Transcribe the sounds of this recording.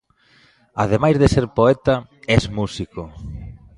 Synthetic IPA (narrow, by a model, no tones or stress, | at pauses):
aðemajzðeseɾpoɛt̪ɐɛzmusiko